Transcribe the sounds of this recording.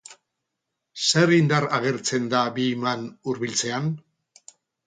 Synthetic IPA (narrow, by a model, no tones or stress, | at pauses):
se̞ɾind̪aɾaɣ̞e̞ɾt͡se̞nd̪abimanuɾβilt͡se̞an